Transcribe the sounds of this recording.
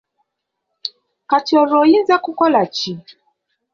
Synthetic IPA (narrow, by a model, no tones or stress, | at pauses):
katiɔɾɔjinzakukɔlat͡ʃi